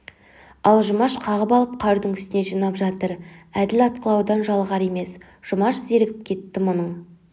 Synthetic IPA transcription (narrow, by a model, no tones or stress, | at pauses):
ɑlˠʒʊmɑʃqʰɑʁəpɑlˠəp̚qʰɑɾd̪əɴʏst̪ɪne̞ʒijnɑpʒɑt̪əɾæd̪ɪlɑt̪̚qəlˠɑwd̪ɑnʒɑlˠʁɑɾe̞me̞s | ʒ̥ʊmɑʃze̞ɾɡʲɪp̚kʲʰe̞t̪ːɪmʊnəɴ